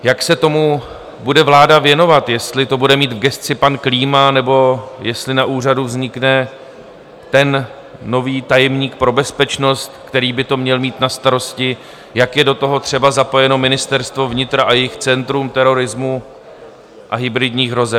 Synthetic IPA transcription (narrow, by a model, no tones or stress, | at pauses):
jaksɛt̪o̞mu | budɛvlaːdavjɛno̞vat̪jɛst̪lɪt̪o̞budɛmiːt̪vɡɛst̪t͡sɪpankliːmanɛbo̞jɛst̪lɪnaʔuːr̝aduvzɲɪknɛ | t̪ɛnː | o̞viːt̪ajɛmɲiːk̚pɾo̞bɛspɛt͡ʃno̞st̪kt̪ɛɾiːbɪt̪o̞mɲɛlmiːt̪nast̪aɾo̞scɪ | jakjɛdo̞t̪o̞ɦo̞t̪r̝̥ɛbazapo̞jɛno̞mɪnɪst̪ɛɾst̪vo̞vɲɪt̪ɾaʔajɛjɪxt͡sɛnt̪ɾumt̪ɛɾo̞ɾɪzmu | ʔaɦɪbɾɪdɲiːxɦɾo̞zɛp